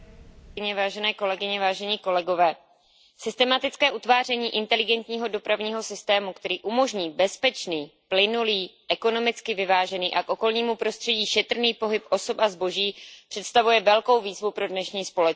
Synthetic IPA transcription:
ɲɛvaːʒɛnɛːko̞lɛɡɪɲɛvaːʒɛɲiːko̞lɛɡo̞vɛː | sɪst̪ɛmat̪ɪt͡skɛːʔut̪vaːrɛɲiːʔɪnt̪ɛlɪɡɛnt̪ɲiːɦo̞do̞pɾavɲiːɦo̞sɪst̪ɛːmukt̪ɛɾiːʔumo̞ʒɲiːbɛspɛt͡ʃniːplɪnuliːʔɛko̞no̞mɪt͡skɪvɪvaːʒɛniːʔakʔo̞ko̞lɲiːmupɾo̞st̪r̥ɛɟiːʃɛt̪r̩niːpo̞ɦɪpʔo̞so̞pazbo̞ʒiːpr̝̥ɛt̪st̪avujɛvɛlko̞wviːzvupɾo̞dnɛʃɲiːspo̞lɛ

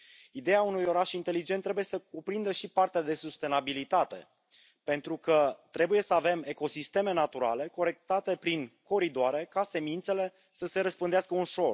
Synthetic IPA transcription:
id̪e̞jaunujo̞ɾaʃint̪e̞lid͡ʒe̞nt̪ːɾebuje̞səkupɾind̪əʃipart̪ead̪e̞sust̪e̞nabilit̪at̪e̞̰ | pe̞nt̪ɾukət̪ɾe̞buje̞səave̞me̞ko̞sist̪e̞me̞nat̪uɾa̰le̞ko̞ɾe̞k̚t̪at̪e̞pɾiŋko̞ɾid̪oaɾe̞kase̞mint̪se̞le̞ | səse̞ɾəspɨnd̪easkəunʃo̞r

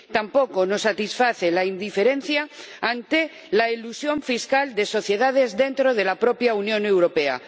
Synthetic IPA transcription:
t̪ampo̞ko̞no̞sːat̪isfaθe̞laind̪ife̞ɾe̞n̟θjaant̪e̞ | lailusjo̞ɱfiskald̪e̞so̞θje̞ðað̞e̞zðe̞nt̪ɾo̞ð̞e̞lapɾo̞pjaunjõ̞ne̞wɾo̞pe̞a̰

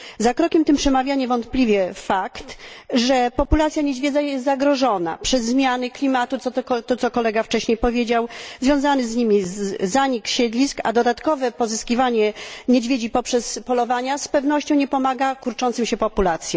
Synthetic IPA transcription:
zakɾɔkʲɛmt̪ɘmpʂɛmavʲjaɲɛvɔnt̪plʲivʲjɛfakt̪ʐɛpɔpulat̪sʲjaɲed͡ʑvʲed̪zajɛst̪zaɡɾɔʐɔna̰pʂɛzːmʲjanɨklʲimat̪ut̪sɔt̪ɔɔt̪ɔt̪sɔkɔlɛɡaft͡ʂɛɕɲejpɔvʲjed͡ʑawzvʲjɔ̃w̃zanɘzɲimʲizaɲikɕɛd̪lʲiska̰d̪ɔd̪at̪kɔvɛpɔzɨskʲivaɲɛɲed͡ʑvʲjed͡ʑipɔpʂɛspɔlɔvaɲaspɛvnɔɕt͡ɕɔ̃w̃ɲɛpɔmaɡakuɾt͡ʂɔnt̪sɨmɕɛpɔpulat̪sʲjɛ

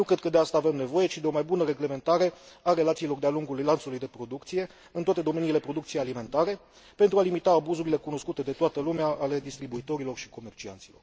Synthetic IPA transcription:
nuwkɾe̞d̪̚kəd̪e̞ast̪aːve̞mne̞vo̞je̞t͡ʃid̪e̞o̞majbunəɾe̞ɡle̞me̞nt̪aɾe̞aɾe̞lat̪silo̞rd̪ealuŋɡulujlant̪sulujd̪e̞pɾo̞d̪ukt̪sije̞ | ɨnt̪oat̪e̞d̪o̞me̞niːle̞pɾo̞d̪ukt̪sijealime̞nt̪aɾe̞ | pe̞nt̪ɾualimit̪aːbuzuɾile̞kuno̞skut̪e̞d̪e̞t̪oat̪əlumeaːle̞d̪ist̪ɾibuit̪o̞ɾilo̞rʃi̥ko̞me̞rt͡ʃia̰nt̪silo̞̰r

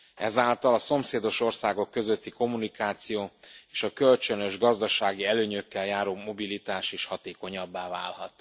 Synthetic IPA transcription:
ɛ̰zaːlt̪ɒlɒso̞mseːd̪o̞ʃo̞rsaːɡo̞kːø̞zøt̪ːiko̞mːunikaːt̪sijoːeːʃɒkølt͡ʃønøʒɡɒzd̪ɒʃaːɡiɛløːɲøkːɛljaːɾoːmo̞bilit̪aːʃeːʃhɒt̪eːko̞ɲɒbːaːva̰ːlhɒ̰t̪

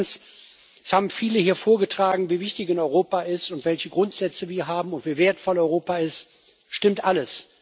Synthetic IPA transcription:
ns | ɛshaːbm̩fiːləhiːɐfoːɐɡətʁ̥aːɡŋ̩viːvɪçtɪçanɔʏʁoːpaʔɪstʊntv̥ɛlçəɡʁʊntz̥ɛt͡səviːɐɦaːbm̩ʊntv̥iːveːɐtfɔlɔʏʁ̞oːpaɪst | ʃtɪmtʔaləs

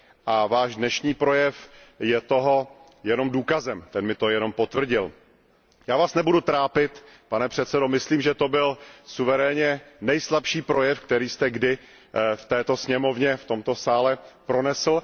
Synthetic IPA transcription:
ʔavaːʒdnɛʃɲiːpɾo̞jɛfjɛt̪o̞ɦo̞ | jɛno̞mduːkazɛmt̪ɛnmɪt̪o̞jɛno̞mpot̪vr̩ɟɪl | jaːvaːsnɛbudut̪ɾaːpɪt̪panɛpr̝̥ɛt̪sɛdo̞mɪsliːmʒɛt̪o̞bɪlsuvɛɾɛːɲɛnɛjslapʃiːpɾo̞jɛfk̚t̪ɛɾiːst̪ɛɡdɪ | ft̪ɛːt̪o̞sɲɛmo̞vɲɛft̪o̞mt̪o̞saːlɛpɾo̞nɛsl̩

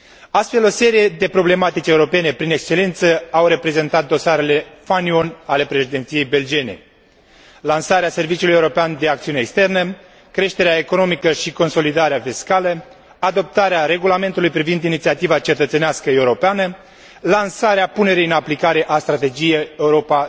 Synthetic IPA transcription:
ast̪fe̞lo̞se̞ɾije̞d̪e̞pɾo̞ble̞mat̪it͡ʃe̞uɾo̞pe̞ne̞pɾine̞kst͡ʃe̞le̞nt̪səawɾe̞pɾe̞ze̞nt̪at̪̚d̪o̞saɾe̞le̞fanionʲale̞pɾe̞ʃid̪et̪sije̞jbe̞ld͡ʒie̞nḛ | lansaɾease̞rvit͡ʃiuluje̞wuɾo̞peand̪e̞ak̚t̪siuneːkst̪e̞rnə | kɾe̞ʃt̪e̞ɾeaeko̞no̞mikəʃiko̞nso̞lid̪aɾeafiskalə | ad̪o̞p̚t̪aɾeaɾe̞ɡulame̞nt̪ulujpɾivind̪init̪siat̪ivat͡ʃe̞t̪ət̪seneaskəe̞wuɾo̞peanə | lansaɾeapune̞ɾijɨnaplikaɾe̞ʔast̪ɾat̪e̞d͡ʒijeje̞uɾo̞pa

